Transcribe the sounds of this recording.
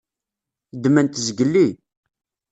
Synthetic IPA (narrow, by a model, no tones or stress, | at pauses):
d̪mænt̪zɡəlːi